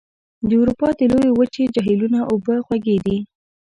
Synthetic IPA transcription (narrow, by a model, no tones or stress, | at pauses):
d̪əuwɾupɑd̪əlowewət͡ʃed͡ʒaɦilunaʔobəxwaɡed̪i